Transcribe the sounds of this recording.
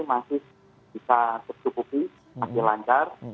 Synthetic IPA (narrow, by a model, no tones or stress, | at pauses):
masɪh | b̥isat̪ət͡ʃukuki | masɪhlaɲt͡ʃar